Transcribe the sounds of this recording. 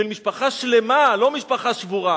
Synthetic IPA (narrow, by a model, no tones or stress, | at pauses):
elmiʃpaχaʃle̞malo̞miʃpaχaʃvuʁa